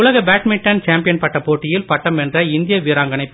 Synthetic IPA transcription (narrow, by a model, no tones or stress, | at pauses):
ʊlɐɣɐbaːʈmɪʈːɐnt͡ʃaːmpɪjɐnpɐʈːɐpːoːʈːɪjɪlpɐʈːɐmɛndrɐɪnd̪ɪjɐʋiːɾaːŋɡɐnɐɪpː